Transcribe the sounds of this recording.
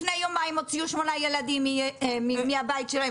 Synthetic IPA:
nejomajmot͡sijuʃmonajɛlad̪imimimiabajit̪ʃɛloj

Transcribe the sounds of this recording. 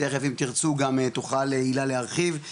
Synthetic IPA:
eχefimt̪iʁt͡suɡamet̪oχaleilaleaʁχiv

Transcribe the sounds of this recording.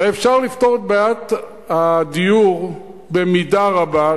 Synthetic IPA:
efʃaʁlift̪oʁet̪̚bajat̪ | had̪ijuʁ | bemidaʁaba

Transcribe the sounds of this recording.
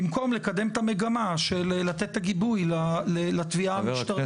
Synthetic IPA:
imko̞mle̞kad̪e̞mt̪ame̞ɡamaʃelːat̪et̪ːaɡibujlalelat̪viaamiʃt̪aʁ

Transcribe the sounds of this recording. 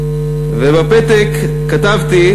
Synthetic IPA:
vebapet̪ekː | at̪avt̪i

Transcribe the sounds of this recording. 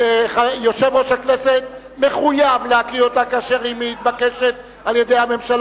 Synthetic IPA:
χajo̞ʃevʁoʃakneset̪ | me̞χujavleakʁio̞t̪akaʃeʁimehit̪̚bakeʃet̪̚ | alje̞d̪e̞jhame̞mʃal

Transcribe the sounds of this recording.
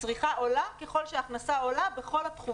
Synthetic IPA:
t͡sʁiχaʔo̞lake̞χo̞lʃeaχnasao̞labe̞χo̞lat̪χu

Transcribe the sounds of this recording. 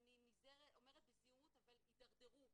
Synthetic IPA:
aninizeʁeo̞meʁet̪̚besijumut̪avalid̪aʁd̪eʁu

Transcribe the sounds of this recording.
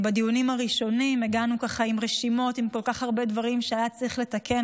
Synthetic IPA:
bedijunimaʁiʃo̞nimeɡanukaχaimʁeʃimo̞timko̞lkaχaʁbe̞dvaʁimʃeajat͡sʁiχle̞take̞n

